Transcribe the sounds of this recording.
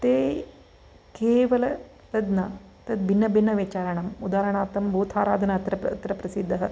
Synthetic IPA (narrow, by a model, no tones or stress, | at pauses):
t̪eː | keːʋɐlɐ | t̪ɐd̪nɐ | t̪ɐd̪̚bʱinːɐbʱinːɐʋit͡ʃaːɾɐɳɐmud̪aːɾɐɳaːt̪ɐmbʱuːt̪ʰaːɾa̰ːd̪ʱɐnɐɐt̪ɾɐpɐ̰t̪ɾɐpɾɐsid̪ʱːɐɦɐ